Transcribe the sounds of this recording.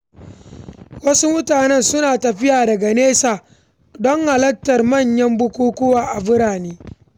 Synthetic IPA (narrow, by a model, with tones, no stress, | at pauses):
wɐ˦su˦mʊ˦taː˨nɛ˦nsʊ˦naː˨tɐ˨ɸɪ˦jaː˨dɐ˨ɡa˨neː˦saː˨ | dɔ˦ŋhɐ˨lɐ˦tːɐ˨rmɐ˦˨ɲjɐ˦mbʊ˦kʷuː˦kʊ˦waː˨ʔa˨bʊ˦ɽaː˨neː˦